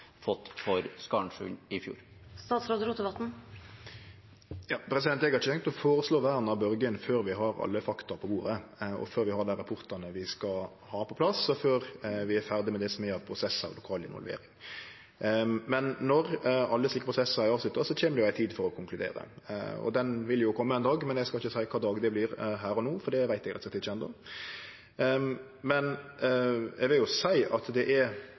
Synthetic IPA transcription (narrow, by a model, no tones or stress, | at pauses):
fɔt̪ːfɔɾskɑɳʃʉ̰ːnɪfjṵːɾ | st̪ɑːt̪sɾoːd̪əɾuːt̪əʋɑt̪n̩ | jɑːpʰɾɛs̬ɪd̪ɛnt̪eːɡɑɪçət̪ʰɛŋk̪̚t̪ɔfoːɾəsloːʋæːɾnɑʋbœɾɡənføːɾʋɪɦɑɾɑ̰lːəfɑkt̪ɑpʰɔbuːɾəɔ̰føːɾʋɪhɑːd̪æɾɑpʰʊɾt̪ɑnəʋɪskɑ | hɑːpʰɔpʰlɑsɔføːɾʋɪæɾfæʁd̪ɪmɛd̪ɛsɔmæɑʋpʰɾʊsɛsːə̰ɾlʊkʰɑːlɪ̰nʋɔ̰lʋḛːɾɪŋ | mɛnːɔɾɑlːəsliːkəpʰɾʊsɛsːəɾæɪɑːʋslʉt̪ːəsɔtʰeːnəɾjʊæɪt̪ʰiːd̪fɔɾɔkʰʊŋkʰlʉd̪ḛːɾə̰ɔ̰d̪ɛnʋɪljʊkʰɔmːəɛːnd̪ɑːɡmɛnɛɡskɑlɪçəsæɪkʰɑːd̪ɑːɡd̪ɛblɪɾɦæːɾɔnoːfɔɾd̪ɛʋæɪt̪ɛɡɾɛt̪st̪ʰːɪʃɛnd̪ɔ̰ | mɛn | ɛ̰ɡʋɪljʊsæɪɑt̪d̪ɛʔæ